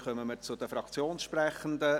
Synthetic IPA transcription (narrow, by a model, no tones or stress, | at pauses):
χœməməɾt͡sʊd̪əfɾɑkt͡sjoːnsʃprɛχənd̪ə